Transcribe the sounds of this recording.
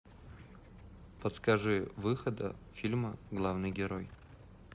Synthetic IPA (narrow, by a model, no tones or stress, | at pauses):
pət̪skɐʐɨvɨxəd̪ə̰fʲilʲməɡlˠavnɨjɡʲɪɾoj